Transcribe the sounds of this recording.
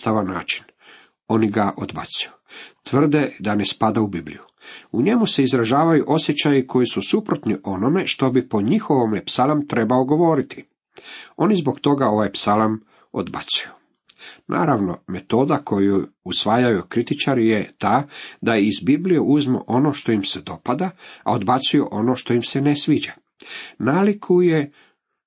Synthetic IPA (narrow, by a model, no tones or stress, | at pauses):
t̪aʋanːa̰ːt͡ʃi̥n | o̞niɡaʔo̞d̪ba̰t̪siju | t̪ʋr̩d̪e̞d̪ane̞spad̪aubiblḭju | uɲe̞muse̞izɾaʒaːʋajuʔo̞sje̞t͡ɕajikʰo̞jisusupɾo̞t̪niʔo̞no̞me̞ʃt̪o̞bipo̞ɲixo̞ʋomepsalamt̪ɾe̞baoɡo̞ʋo̞ːɾit̪i̥ | o̞nizbo̞kt̪o̞ɡao̞ʋajpsalam | o̞̰d̪ba̰t̪suju | nʔa̰ːɾaʋno̞̰me̞t̪o̞ːd̪akʰo̞juusʋaːjajukɾit̪it͡ʃaɾijet̪aːd̪ajizbiblije̞ʔuzmo̰ʔo̞no̞ːʃt̪o̞imse̞d̪o̞pad̪aa̰o̞d̪bat̪sujuʔo̞no̞ːʃt̪o̞imse̞nesʋiːd͡ʑa | naːlikʰuje̞